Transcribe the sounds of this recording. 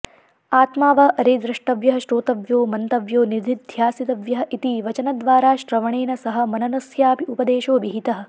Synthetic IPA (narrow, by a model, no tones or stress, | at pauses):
aːt̪maːʋɐʔɐɾeːd̪ɾɐʂʈɐʋjɐɦɐʃɾoːt̪ɐʋjoːmɐnt̪ɐʋjoːniɾd̪ʱid̪ʱjaːsit̪ɐʋjɐɦɐ̆ʔit̪iʋɐt͡ʃɐnɐd̪ʋaːɾaːʃɾɐʋɐɳeːnɐsɐɦɐ̆mɐnɐnɐsjaːpiupɐd̪eːʃoːʋiɦit̪ɐɦɐ̆